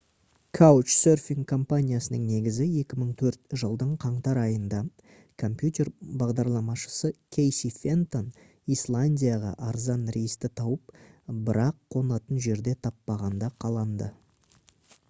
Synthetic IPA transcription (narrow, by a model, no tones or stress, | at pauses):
kʰawt͡ʃsørfiŋkʰːo̞mpanʲijasənəɴne̞ɡʲɪzɪe̞kʲɪməɴt̪ʰɵɾt̪ʒəlˠd̪əɴqʰɑɴt̪ɑɾɑjənd̪ɑ | kʰo̞mpjut̪ʲe̞rbɑʁd̪ɑɾlˠɑmɑʃə̥səkʲʰe̞jsifʲe̞nt̪o̞n | islˠanʲdʲijaʁɑ̰ʔɑɾzɑnɾejst̪ɪt̪ʰɑwəp̚bɪɾɑqʰːo̞nɑt̪ənʒe̞ɾd̪e̞t̪ʰɑpːɑʁɑnd̪ɑqʰɑlˠɑnd̪ə